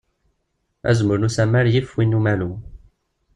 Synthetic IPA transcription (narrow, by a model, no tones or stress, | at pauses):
æ̰zməɾnusæmːæɾjifwinːumælu